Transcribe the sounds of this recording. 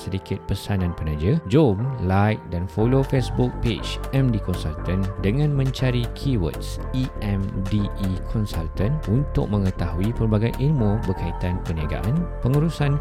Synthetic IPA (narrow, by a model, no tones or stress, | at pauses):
sədikɪt̪̚pəsanãnpənãd͡ʒəd͡ʒomlajk̚danfolofesbʊk̚ped͡ʒɛmdikɔnsalt̪əndəŋãnmə̃ɲt͡ʃaɾikʰiwə̰t̪s | iʔɛmdiːkʰɔnsalt̪ənunt̪ʊ̰k̚mə̃ŋə̃t̪ahuipərbaɡajʔilmũbəkait̪anpəniaɡa̰ʔanpəŋuɾusan